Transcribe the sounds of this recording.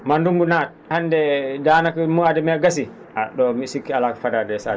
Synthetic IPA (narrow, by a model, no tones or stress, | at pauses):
mandumbunat̚handɛdanakimuadɛmɛɡasi | aɗɔmisikːialakfadadɛsa̰